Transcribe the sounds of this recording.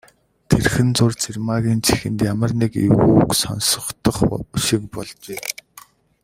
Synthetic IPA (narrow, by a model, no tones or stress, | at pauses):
t̪ʰerxɘ̆nt͡sʊrt͡sʰirmaɣʲiːnt͡sʰixɘ̆nt̪jamə̆rnikḛɣuksɔ̰nsɞ̥̆χt̪ɞ̆χʃik̚pɔɮt͡ɕeː